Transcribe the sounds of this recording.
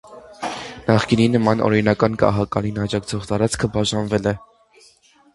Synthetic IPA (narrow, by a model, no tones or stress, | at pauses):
nɑχkininːəmɑnɔ̰ɾinɑkɑnkɑ̰ɦɑkɑ̰linɑd͡ʒɑkt͡sʰɔʁt̪ɑɾɑt͡skʰəbɑʒɑnvɛlɛ